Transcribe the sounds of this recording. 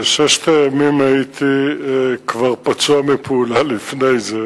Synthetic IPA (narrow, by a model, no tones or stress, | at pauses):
ʃɛʃt̪ajamimajit̪ʰi | kvaʁpat͡suamipulalifnejze